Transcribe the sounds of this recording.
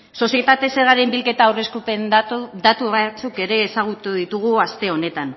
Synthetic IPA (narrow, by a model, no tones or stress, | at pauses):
so̞sje̞t̪at̪e̞se̞ɾɣaɾe̞mbilke̞t̪aːwre̞skupend̪at̪uβat͡suke̞ɾe̞ːsaɣ̞ut̪uðit̪uɣ̞uast̪e̞o̞ne̞t̪an